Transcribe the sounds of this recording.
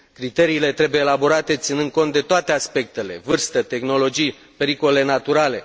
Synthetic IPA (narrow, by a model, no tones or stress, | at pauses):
kɾit̪e̞ɾiːle̞t̪ɾe̞buje̞ːlabo̞ɾat̪e̞t̪sinɨnd̪̚ko̞nt̪̚d̪e̞t̪oat̪e̞aspe̞k̚t̪e̞le̞̰vɨrst̪ət̪e̞xno̞lo̞d͡ʒij | pe̞ɾikolele̞nat̪uɾale̞